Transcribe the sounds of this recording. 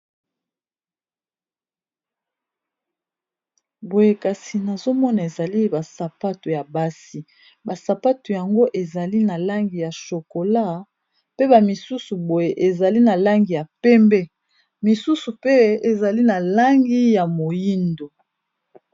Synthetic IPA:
bo˨je˨ka˨si˨na˨zo˦mɔ˦na˨e˨za˨li˦ba˨sa˨pa˦tu˨ja˨ba˦si˨ | ba˨sa˨pa˦tu˨ja˨ŋɡo˦ʔe˨za˨li˦na˨la˦ŋɡi˨ja˨ʃo˨ko˨la˦˨ | pe˦ba˨mi˨su˦su˨bo˨je˨ʔe˨za˨li˦na˨la˦ŋɡi˨ja˨pɛ˦mbɛ˦ | mi˨su˦su˨pe˦e˨za˨li˦na˨la˦ŋɡi˦ja˨mo˨ji˦ndo˨

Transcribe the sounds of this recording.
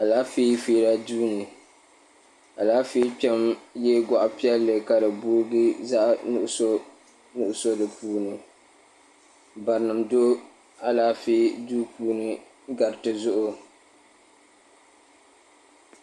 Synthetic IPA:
a˨laː˦fi˦fiː˦ɾa˦duː˦nɨ˨ | a˨laː˦fiː˦pɛ˦mjɛ˦ɡa˨ʔʊ˨pi˦ɛ˦lːɨ˨ka˨dɨ˨buː˦ɾɡɨ˦za˦ʔnʊ˨ʔʊ˦so˦ | nʊ˨ʔʊ˦so˦dɨ˨puː˦nɨ˨ | ba˨ɾnɨ˨mdo˦ | a˦laː˦fiː˦duː˦puː˦nɨ˨ | ɡa˨ɾtɨ˨zʊ˦ʔʊ˦

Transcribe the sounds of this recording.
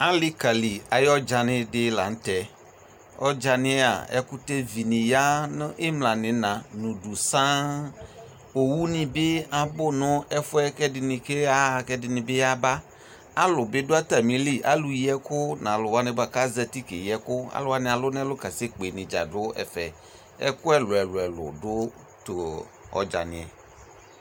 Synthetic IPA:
a˦li˦ka˨li˨a˨jɔ˦d͡ʒa˨nɪ̃˦ɖɪ˦la̰˨ŋ̩˦t̪ɛ˨ | ɔ̰˦d͡ʒa˨nɪ̃˦a̰˨ɛ̰˦ku˦t̪e˦vi˨nĩ˨ja˦n˦ʔe˦mlã˨nɪ̃˨nã˨nũ˨du˨sã˦ | o˨wu˦nĩ˨be˦a˨bʊ˦nɔ̃˦ɛ˦fʊ˦ɛ˦kɛ˦dɪ˨nɪ̃˨ke˦a˦˨kɛ˦dɪ˨nɪ̃˨be˦ja˦ba˦ | a˦lʊ˨be˦dʊ˦a˦t̪a˨mĩ˨li˦ʔa̰˦lu˦ji˦ɛ˦kʊ˦nã˨lʊ˨wa˦nẽ˦ba˨ka˦zɛ˦t̪i˦kḛ˨ji˨˦ɛ˦kʊ˦a̰˨˦lʊ˦a˨nɪ̃˨a˨lʊ˦nɛ̃˦lʊ˦ka˨se˦k͡pe˨nɪ̃˨d͡ʒa̰˨dʊ˦ɛ̰˨fɛ˨ | ɛ̰˦kʊ˦ɛ˦lʊ˨ɛ˨lʊ˨ɛ˨lʊ̰˨dʊ˦ | t̪o˨ | ɔ̰˦d͡ʒa̰˨nɪ̰̃˨ɛ̰˨

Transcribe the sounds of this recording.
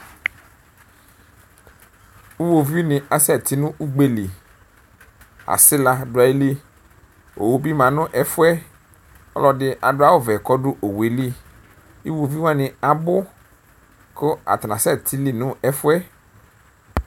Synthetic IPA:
u˦wo˨vi˦nɪ̃˨a˨sɛ˦˨t̪i˦nʊ̃˦ʔu˦ɡ͡be˦li˨ | a̰˨sɪ˦la˨ɖʊ˨˦a˨i˦li˦ | o̰˨wo˨bi˦mã˨nʊ̃˦ʔɛ˨fʊ˦ɛ˦ | ɔ̰˦lɔ˨ɖɪ˦ʔa˨dʊ˦a˦wo˦vɛ˨kɔ˦ɖʊ˦ʔo˨we˨li˦ | i˦wo˨vi˦wã˦nɪ̃˨a˨bʊ˦ | kʊ˦a̰˨t̪nã˨sɛ˦˨t̪ʰi˦li˦nʊ̃˦ɛ˦fʊ˦ɛ˦

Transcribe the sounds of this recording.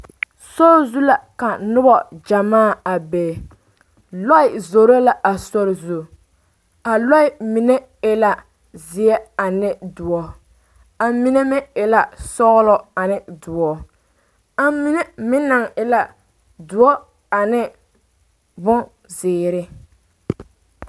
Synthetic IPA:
sɔ˦ɾzu˦la˨ka˨nʊ˦bɔ˨d͡ʒa˨maː˦˨a˨beː˨ | lɔ˦ɪ˨zo˨ɾo˦la˦ʔa˨so˦ɾzu˦ | a˨lɔ˦ɪ˦mi˨ne˦ | ɪ˨la˨ | zɪ˨ɛ˦a˨nɪ˦dʊ˨ɔ˦ | a˨mi˦ne˦mɛ˦ɪ˨la˨sɔ˦ɣlɔ˦a˨nɪ˦dʊ˨ɔ˨ | a˦mi˦ne˦mɪ˦na˨ŋɪ˨la˨ | dʊ˨ɔ˦ | a˨nɪ˦ | bʊ˦ | zɪː˨ɾɪ˦

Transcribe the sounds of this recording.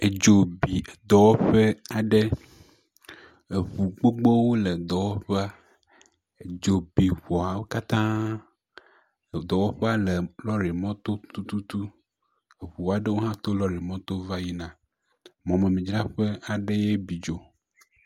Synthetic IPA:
e˨d͡ʒo˨bi˨d̪ɔ˨wɔ˦ɸe˦a˨ɖe˦ | e˨ɸu˨ɡ͡bo˦ɡ͡bɔ˦wo˦le˨d̪ɔ˨wɔ˦ɸe˦a˦ | e˨d͡ʒo˨bi˨ɸu˨a˨wo˦ka˦t̪ã˦˨ | d̪ɔ˨wɔ˦ɸe˦a˦le˨lɔ˦ɾe˨mɔ̃˦t̪o˦t̪u˦t̪u˦t̪u˦ | e˨βu˨a˨ɖe˦wo˦ɦã˦t̪o˦lɔ˦ɾe˨mɔ̃˦t̪o˦va˦ji˦nã˨ | mɔ̃˨me˨mĩ˨d͡ʒɾa˦ɸe˦a˨ɖe˦je˦bi˨d͡ʒo˨

